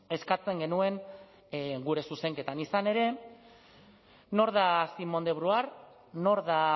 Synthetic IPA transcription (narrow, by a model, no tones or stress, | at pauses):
e̞skat͡se̞ŋɡe̞nue̞ŋ | ɡuɾe̞suse̞ŋke̞t̪anisane̞ɾe̞ | no̞ɾðasimo̞nd̪e̞βɾuaɾ | no̞ɾða